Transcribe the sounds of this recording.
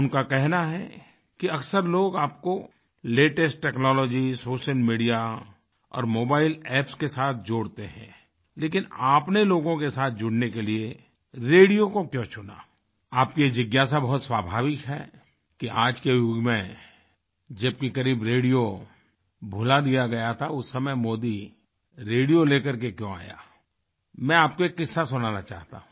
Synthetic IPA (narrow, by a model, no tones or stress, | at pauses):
ʊnkakɛɦnaɦɛ̰ | kiɐksəɾloːɡaːpko | leːʈəsʈːɛːknɔːlɔːd͡ʒisoːʃəlmiːɖija | ɔ̰ːɾmoːbaːɪlɛːpskesaːt̪ʰd͡ʒoːɽt̪eɦɛ̰̃ | leːkɪnaːpneloːɡõkesaːt̪̚ʰd͡ʒʊɽnekelie | ɾeːɽijokokjõːt͡ʃʰʊna̰ | aːp̚kid͡ʒɪɡjas̬abɐɦʊt̪swaːbʱaːʋɪkɦɛ̰ː | kiʔaːd͡ʒkejuɡmẽ | d͡ʒɐb̚kikɐɾiːbɾeːɽijo | bʱʊlad̪ijaɡɐjat̪ʰaʊsːɐməjmoːd̪i | ɾeːɽijoleːkəɾk̬ekjõa̰ːja̰ː | mɛ̃aːp̚koekɪsːasʊnaːnat͡ʃa̰ːɦt̪a̰ɦũ